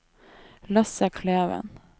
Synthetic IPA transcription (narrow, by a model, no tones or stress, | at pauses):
lɑsəkʰleːʋə̰n